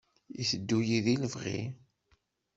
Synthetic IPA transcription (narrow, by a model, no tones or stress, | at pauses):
iθəd̪ːujiðiləvʁḭ